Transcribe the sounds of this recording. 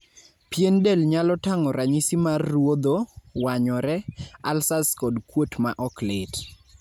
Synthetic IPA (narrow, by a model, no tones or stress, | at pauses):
pjendɛlɲalɔtaŋɔɾaɲisimarːwod̪owaɲɔɾɛa̰lsaskɔdkwotma̰ʔɔklɪt